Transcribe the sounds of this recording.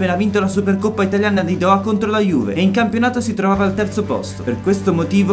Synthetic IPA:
pːeːnavint̪alasuperkopːait̪aljaːnad̪id̪ɔakont̪ɾolajuːvḛeiŋkampjonaːt̪osit̪ɾovaːvaːlt̪ɛrt̪sopɔ̰st̪operkwest̪omot̪iːvo

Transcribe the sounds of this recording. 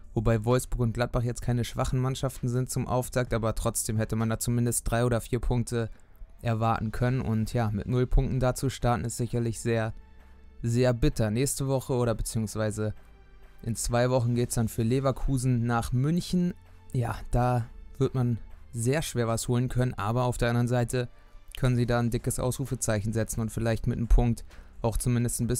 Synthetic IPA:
vobaɪvɔlfsb̥ʊɐkʊnt̚ɡ̥lat̚b̥aχjɛt͡stkʰaɪnəʃv̥aχn̩manʃaftn̩zɪnt̚t͡sʊmʔa̰ʊftʰaːk̚tʔaːbɐtʁ̥ɔt͡sd̥eːmhɛtəmandaːt͡sumɪndəstd̥ʁaɪoːɾɐfiːɐpʰʊŋk̚tʰə | ʔɛɐvaɐtn̩kʰœnənʔʊ̰ntjaːmɪ̰tnʊlpʰʊŋk̚tn̩daːt͡suʃtaɐtn̩ɪstz̥ɪçɐlɪçz̥eːɐ | zeːɐbɪtʰɐnɛːçstəvɔχəoːɾɐbət͡siːʊŋsv̥aɪzə | ʔɪnt͡sv̥aɪvɔχn̩ɡeːtsd̥anfyːɐleːvakʰuːzn̩naːχmʏnçn̩ | jaːd̥aːv̥ɪɐtmanzeːɐʃv̥eːɐvashoːlənkʰœnənʔa̰ːbɐaʊfd̥eːɐʔandɐʁənzaɪtʰə | kʰœnənziːdaːndɪkəsʔa̰ʊsʁ̥uːfət͡saɪçn̩zɛt͡sn̩ʊntfɪlaɪçtmɪt̚nəmpʰʊŋk̚tʔaʊxt͡sumɪndəstnbɪs

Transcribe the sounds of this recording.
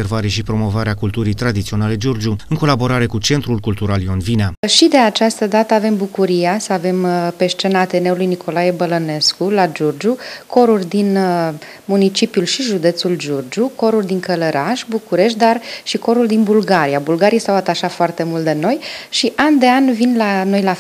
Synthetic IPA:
ervaɾeʃipɾo̞mo̞vaɾeakult̪uɾijt̪ɾad̪it̪sio̞nale̞d͡ʒord͡ʒuɨŋko̞labo̞ɾaɾe̞kut͡ʃe̞nt̪ɾulkult̪uɾaljonvinaʃid̪e̞at͡ʃast̪əd̪at̪əave̞mbukuɾijasəave̞mpe̞ʃt͡ʃe̞naːt̪e̞ne̞ulujnikʰo̞lajebələne̞skulad͡ʒurd͡ʒuko̞ɾurʲd̪in | munit͡ʃipjulʃiʒud̪e̞t̪suld͡ʒurd͡ʒuko̞ɾurʲd̪iŋkələɾʔaʃʲbukuɾe̞ʃ̬t̪̚d̪arʃiko̞ɾuld̪inbulɡaɾijabulɡaɾijsawat̪aʃat̪foart̪e̞mult̪̚d̪e̞no̞jʃiʔand̪e̞anvinlano̞jla

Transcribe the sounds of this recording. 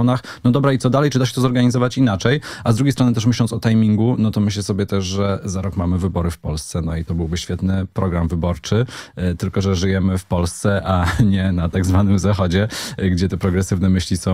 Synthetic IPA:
ɔnaxnɔd̪ɔbɾait̪sɔd̪alɛjt͡ʂɘd̪aɕ̬ɛt̪ɔzɔɾɡaɲizɔvat͡ɕinat͡ʂɛjazd̪ɾuɡʲjejst̪ɾɔnɘt̪ɛʂ̬mɘɕlɔnsɔt̪ajmʲiŋɡunɔt̪ɔmɘɕlɛsɔbʲjɛt̪ɛʂʐɛzaɾɔkmamɘvɘbɔɾɘfpɔlst̪sɛnɔit̪ɔbɘwbɘɕfʲjɛt̪nɘpɾɔɡɾamvɘbɔɾt͡ʂɘt̪ɘlkɔʐɛʐɘjɛmɘfpɔlst̪sɛʔaɲɛnat̪aɡzvanɘmzaxɔd͡ʑɛɡd͡ʑɛt̪ɛpɾɔɡɾɛsɘvnɛmɘɕlʲisɔ̃w̃

